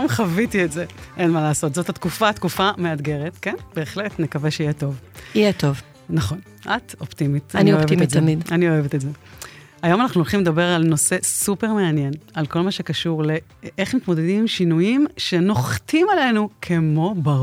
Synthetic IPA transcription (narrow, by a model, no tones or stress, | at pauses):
jomχavitietzeʔenmalaːso̞tzo̞that̪kufat̪kufame̞adɡe̞ʁet̪kenb̥e̞ːχletnekaveʃeijeto̞vijetov | nɐχo̞n | ʔat̪optimit̪nioeimtzemidanio̞evetetze | ajo̞manaχnuolχimled̪abe̞ʁalno̞se̞supe̞ʁme̞anjenalko̞lmaʃe̞kaʃuʁle̞ | ʔeχmit̪mod̪ed̪imimʃinujimʃeno̞χtimale̞nukʰe̞mo̞ba